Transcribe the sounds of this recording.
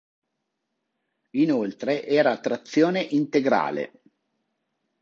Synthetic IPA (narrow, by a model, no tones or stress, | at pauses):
inolt̪ɾeʔɛːɾaːt̪ːɾat̪sːjoːneʔint̪eɡɾa̰ːlḛ